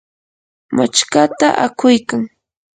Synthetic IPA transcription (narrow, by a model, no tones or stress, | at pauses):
mat͡ʃkat̪aʔakʊjkaŋ